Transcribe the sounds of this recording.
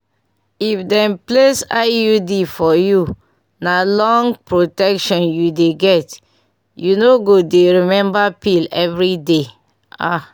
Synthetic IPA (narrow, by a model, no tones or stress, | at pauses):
ifdɛ̃nplesajudifɔju | nalɔ̃ŋɡpɹotɛkʃɔ̃njudeɡɛt | junoɡodeɹimɛ̃mbapilɛvɹide | a